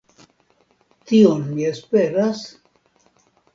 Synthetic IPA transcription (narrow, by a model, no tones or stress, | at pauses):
t̪ionmiespeɾas